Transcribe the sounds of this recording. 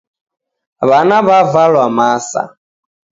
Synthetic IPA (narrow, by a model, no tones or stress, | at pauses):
βanaβavalwamasa̰